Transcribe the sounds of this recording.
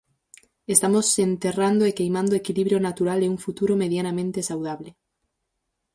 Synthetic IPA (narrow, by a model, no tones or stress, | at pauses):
est̪amosent̪erand̪oekejmãnd̪oekiliβɾjonat̪uɾaleuɱfut̪uɾomeðjanamẽnt̪esawð̞aβ̞le